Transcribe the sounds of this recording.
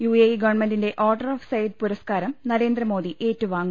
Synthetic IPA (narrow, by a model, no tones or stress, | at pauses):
juːejɡɐʋɐrɳmendinde̞ʔoːrɖɐroːfsɐjd̪̚puɾɐskaːɾɐmnɐɾe̞ːnd̪rɐmo̞ːðiʔeːtːuʋaːŋːu